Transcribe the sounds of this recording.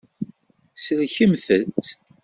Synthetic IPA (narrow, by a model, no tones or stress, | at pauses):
səlçəmθət͡sː